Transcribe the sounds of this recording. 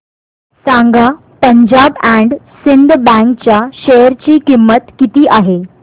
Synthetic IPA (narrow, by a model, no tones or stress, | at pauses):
sãŋɡa | pəɲd͡ʑabæ̃ɳɖsind̪ʱbɛ̃ŋk̚t͡ɕjaɕejəɾt͡ɕiːkimːət̪kit̪iːʔaɦe